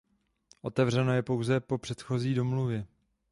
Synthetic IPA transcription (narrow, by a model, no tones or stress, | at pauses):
ʔo̞t̪ɛvr̝ɛno̞jɛpo̞wzɛpo̞pr̥ɛt̪xo̞ziːdomluvjɛ